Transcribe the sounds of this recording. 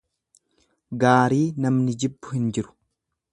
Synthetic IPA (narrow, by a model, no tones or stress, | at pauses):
ɡaːɾiːnɐmnɪd͡ʒɪbːʊ̥hɪnd͡ʒɪɾʊ̥